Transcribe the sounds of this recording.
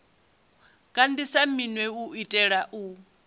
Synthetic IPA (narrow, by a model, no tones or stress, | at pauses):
kʼandisaminwɛuitʼɛɺaʔu